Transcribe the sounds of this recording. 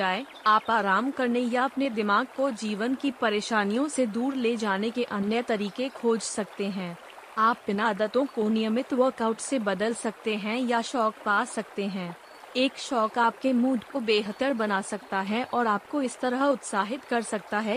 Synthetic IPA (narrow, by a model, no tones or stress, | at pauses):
d͡ʒaːe | aːpaːɾaːmkɐɾnejaɐpned̪ɪmaːɡ̚kod͡ʒiːʋənkipɐɾeːʃaːnijõsed̪uːɾleːd͡ʒaːnekeʔɐnjət̪ɐɾiːkekʰoːd͡ʒsɐkt̪eɦɛ̃ː | aːpbɪnaːd̪ət̪õkonɪjəmɪt̪ʋəɾkaːʊʈsebɐd̪əlsɐk̚t̪eɦɛ̃jaʃɔːkpaːsɐk̚t̪eɦɛ̃ː | eːkʃɔːkaːp̚kemuːɖkobeːɦət̪əɾbɐnaːsɐk̚t̪aɦɛʔɔːɾaːpkoɪst̪ɐɾəɦʊt̪saːɦɪt̪kɐɾsɐk̚t̪aɦɛ